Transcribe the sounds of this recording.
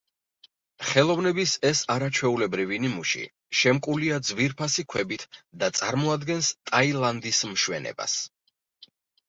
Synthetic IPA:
χɛlˠɔvnɛbisɛsaɾat͡ʃʰwɛulɛbɾivinimuʃḭ | ʃɛmkʼuliad̪zviɾpʰasikʰwɛbit̪ʰd̪at̪sʼa̰ɾmɔad̪ɡɛnst̪ʼailˠand̪ismʃwɛ̰nɛ̰ba̰s

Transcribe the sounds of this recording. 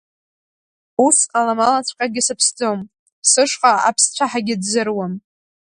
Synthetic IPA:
usqʼalamalat͡sʷʰkʼaɡʲɪsɨpʰsd͡zʼom | sɨʂqʼaa̰pʰst͡ɕʷʰaħaɡʲɪdzɨrwam

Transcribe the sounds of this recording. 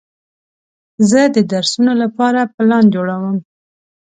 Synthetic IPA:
zəd̪əd̪aɾsunolapɑɾapəlɑnd͡ʒoɽawəm

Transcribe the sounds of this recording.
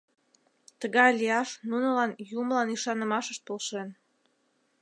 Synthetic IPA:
t̪əɣɑjliɑʃnunə̆lɑnjuməlɑniʃɑnə̆mɑʃəʃt̪olʃen

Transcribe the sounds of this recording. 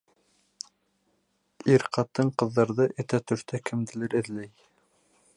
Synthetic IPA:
iɾqɑt̪ːɤɴqɤ̆ðːɑɾðɤʔɘ̆t̪æt̪ɵ̆ɾt̪ækʰɘ̆md̪ɘ̆lɘɾɘ̆ðlæj

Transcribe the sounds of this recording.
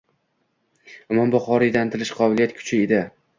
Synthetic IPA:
ʊmɒmbʊχɒɾid̪ant̪ʰɪlɪʃqʰɒbɪlijat̪̚kʰʊ̥t͡ʃʰɪed̪ɪ

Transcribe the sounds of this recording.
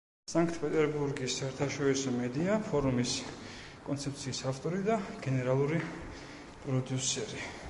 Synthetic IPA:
saŋkʰt̪ʰpʼɛt̪ʼɛɾbuɾɡisːaɛɾt̪ʰaʃɔɾisɔmɛd̪iapʰɔɾumis | kʼɔnt̪sʰɛp̚t̪sʰiːsaft̪ʼɔɾid̪aɡ̥ɛnɛɾalˠuɾi | pʼɾɔd̪jusɛɾi

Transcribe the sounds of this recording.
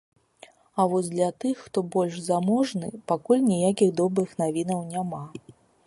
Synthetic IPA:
ɐvɔsʲd̪lʲɐt̪ɨxːt̪ɔbɔlʲʂzamɔʐnɨ̰pakulʲnʲijakʲiɣd̪ɔbɾɨxn̪avʲinɐwnʲama

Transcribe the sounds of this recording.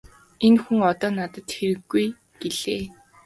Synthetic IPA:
enxuŋɔt̪ɔːnat̪ə̆t̪xeɾɘ̆ɡːuj | ɡ̥eɮ̥eː

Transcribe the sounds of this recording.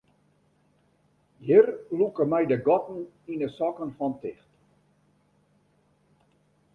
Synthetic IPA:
jirlukəmɛjdəɡɔtn̩ | inəsɔkənfɔntɪxt

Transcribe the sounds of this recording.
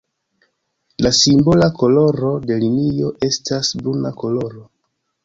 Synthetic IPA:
lasimbo̞lako̞lo̞ɾo̞de̞linio̞ʔe̞stasbunako̞lo̞ɾo̞

